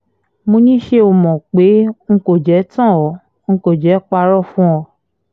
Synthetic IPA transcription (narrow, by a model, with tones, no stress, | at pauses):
mõ˧nĩ˦ʃe˧o˨mɔ̃˨k͡pe˨˦ŋ̩˦ko˦˨d͡ʒɛ˨˦tã˦˨ɔ˨˦ | ŋ̩˧ko˨d͡ʒɛ˨˦k͡pa˧ɾɔ˦˨fũ˦ɔ˧